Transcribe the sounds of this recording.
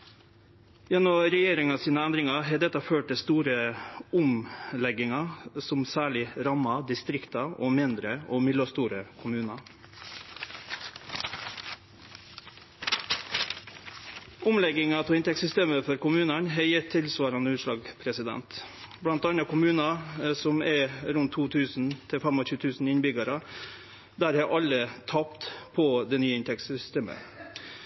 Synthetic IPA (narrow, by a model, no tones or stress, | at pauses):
jɛnːɔɾɛjeːɾɪŋɑsiːnəænd̪ɾɪŋɑɦeːd̪ɛt̪ɑføːʈ̚t̪ɪst̪uːɾəʊmlɛɡɪŋɑsʊmsæːɭɪɾɑmɑd̪ɪst̪ɾɪkt̪ɑoːmɪnd̪ɾəoːmɪløːst̪uːɾəkʰʊmʉːnɑ | ʔʊmlɛɡɪŋɑt̪ʰoːɪnt̪ɛksʏst̪eːməfɔɾkʊmʉːnɑnɦɛjɛt̪ʰːɪlsʋɑːɾɑnəʉːʂlɑːɡpʰɾɛsɪd̪ɛ̰nt̪ | blɑnt̪ɑnɑkʊmʉːnɑsɔmɛɾʉnt̪ʰuːt̪ʰʉːsn̩t̪ʰɪlfæmɔoçʉːt̪ʰʉːsn̩ɪnbʏɡɑɾɑ | d̪æːɾhɑʔɑlət̪ʰɑpt̪pʰoːd̪eːnyːəɪnt̪ʰɛksʏsst̪eːmə̰